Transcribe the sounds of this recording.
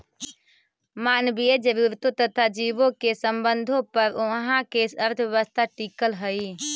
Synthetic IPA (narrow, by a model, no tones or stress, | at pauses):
maːnbijed͡ʒəɾuːɾt̪ot̪ət̪ʰad͡ʒiːʋõkesə̃mbənd̪ʱõpəɾʊɦãkesəɾt̪ʰəʋjəʋəst̪ʰaʈiːkəlɦəi